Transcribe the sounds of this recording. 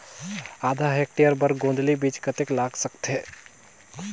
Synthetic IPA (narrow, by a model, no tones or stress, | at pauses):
ad̪ʱaɦek̚ʈijəɾbəɾɡõnd̪libit͡ʃkət̪eklaɡsəkt̪ɦe